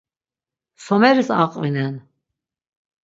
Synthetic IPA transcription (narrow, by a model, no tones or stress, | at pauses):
sɔmɛɾisa̰qʼvinɛn